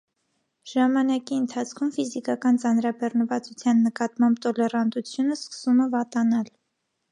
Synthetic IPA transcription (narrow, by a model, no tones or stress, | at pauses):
ʒɑmɑnɑkiənt̪ʰɑt͡sʰkʰumfizikɑkɑnt͡sɑnɾɑbɛrnəvɑt͡sut͡sʰjɑnːəkɑt̪mɑmbt̪ɔlɛrɑnd̪ut͡sʰjunəskə̥sumɛvɑt̪ɑnɑl